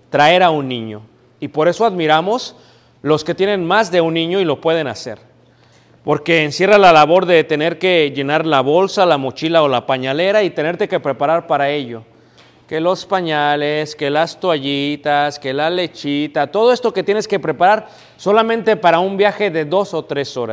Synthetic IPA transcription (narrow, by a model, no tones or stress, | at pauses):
t̪ɾae̞ɾaunːĩɲo̞̰ | ipo̞ɾe̞so̞aðmiɾamo̞s | lo̞sket̪je̞ne̞nmazðe̞unːĩɲo̞ilo̞pwe̞ð̞e̞nase̞̰ɾ | po̞ɾke̞ːnsje̞ralalaβo̞ɾðe̞t̪e̞ne̞ɾke̞ʝe̞naɾlaβo̞lsalamo̞t͡ʃilao̞lapaɲale̞ɾait̪e̞ne̞ɾt̪e̞ke̞pɾe̞paɾaɾpaɾae̞ʝo̞ | ke̞lo̞spaɲaleske̞last̪waʝit̪aske̞lale̞t͡ʃit̪at̪o̞ð̞o̞e̞st̪o̞ket̪je̞ne̞ske̞pɾe̞paɾaɾ | so̞lamẽnt̪e̞paɾaumbjaxe̞ðe̞ðo̞so̞t̪ɾe̞so̞ɾa̰s